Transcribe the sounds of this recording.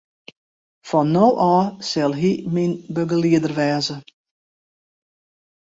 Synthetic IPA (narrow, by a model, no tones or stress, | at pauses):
fɔnːoːʔɔːsɛlˠɦiminbøɡəliədərʋɛːzə